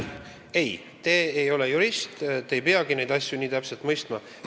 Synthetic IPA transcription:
ej | t̪e̞ːejo̞lejuɾist̪t̪eejpeɑɡ̥ine̞jd̪ɑsʲjuniːt̪æpse̞lt̪mɤjst̪mɑ

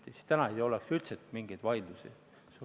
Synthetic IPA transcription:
t̪isi̥t̪ænɑejo̞leksylt̪set̪miŋɡ̥ejd̪̥vɑjd̪lusḭ | su

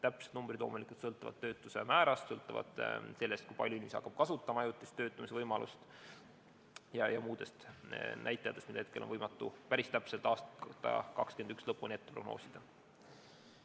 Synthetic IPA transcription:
t̪æpset̪numbrid̪lo̞ːmulikˑult̪sɤlt̪ːˑuvɑ̰t̪ːø̞ːt̪ːˑuse̞̰mæːɾɑst̪sɤlt̪ːˑuvɑ̰d̪̥se̞lːe̞st̪̚kujpɑ̰lʲjuilʲːishɑ̰kːɑb̥̚kɑsut̪ˑːɑmɑɑjut̪ːˑist̪øːt̪ːˑumisevɤjmɑlʔṵst̪ | jɑjɑmuːd̪e̞st̪nʔæjt̪ˑːejɑt̪ːˑest̪mid̪ehet̪̚ke̞lʔonvɤjmɑt̪ːˑupæɾist̪æpse̞lt̪ˑɑːst̪t̪ːˑɑ̰kɑkskyend̪ykslɤpːunet̪ːepro̞ɡno̰ːsid̪̥ɑ

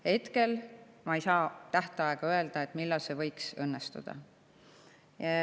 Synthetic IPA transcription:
he̞t̪ke̞lmɑejsɑːt̪æht̪eɑeɡ̥ɑø̞e̞ld̪̥ɑe̞t̪ːˑmilːɑlse̞vɤ̞jksɤnːest̪ṵd̪̥ɑ̰ | jɑ

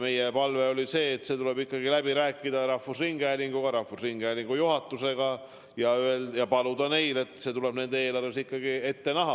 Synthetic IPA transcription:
me̞jepɑlveo̞lise̞ːt̪ːse̞t̪ule̞bikːɑɡ̥ilæbiɾæːkːˑid̪̥ɑɾɑhvusriŋɡæːlʲiŋɡuɡ̥ɑɾɑhvusriŋɡ̥ælʲiŋɡ̥ujuɦɑt̪ːˑuse̞ɡɑ | jɑyeljɑpɑlud̪ɑne̞jle̞t̪ːˑse̞t̪ule̞bne̞nd̪eeːlɑɾesikːɑɡie̞t̪ːe̞nɑɦɑ

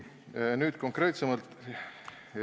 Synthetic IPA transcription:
nyːd̪̥ko̞ŋkre̞ːt̪semɑlt̪

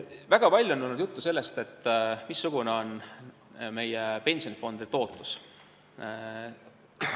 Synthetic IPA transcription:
væɡ̥ɑpɑlʲːjuonːunud̪jut̪ːuse̞lːe̞st̪e̞t̪ːˑmisːuɡ̥uneo̞n | me̞jepe̞nʲsio̞nifo̞nd̪̥et̪o̞ːt̪lu̥s

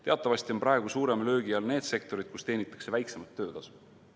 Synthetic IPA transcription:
t̪eɑt̪ˑːɑvɑsʲt̪io̞npɾʔɑe̞ɡ̥usuːɾe̞mlø̞ːɡiɑlne̞ːd̪̥se̞k̚t̪o̞ɾid̪̥̚kust̪e̞ːnit̪ːˑɑ̥kse̞væjksemɑt̪ːøːd̪̥ɑs

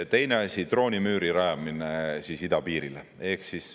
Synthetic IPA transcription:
t̪e̞jne̞ɑsʲit̪ro̞ːnʲimyːɾiɾɑjɑminesisid̪ɑpiːɾilḛ | e̞hksis

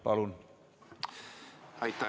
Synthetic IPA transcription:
pɑlun | ɑjt̪ːɑ

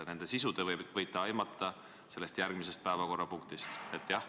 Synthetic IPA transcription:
ne̞nd̪̥e̞sisud̪̥evɤjvɤjt̪ːˑɑɑjmɑt̪ːˑɑ | se̞lːe̞st̪jærɡ̥mis̬e̞st̪̚pæe̞vɑko̞rːɑpuŋk̚t̪ist̪e̞t̪ːˑjɑh

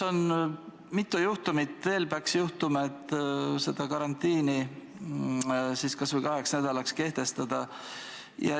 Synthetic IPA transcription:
o̞n | mit̪ːˑujuht̪umit̪ˑve̞ːlpeɑksjuht̪umɑet̪ˑːse̞d̪̥ɑkɑɾɑnt̪ˑːiːni | siːskɑsvɤjkɑɦe̞ksnæd̪̥ɑlɑkske̞ht̪e̞st̪ɑd̪̥ɑ | jɑ̰

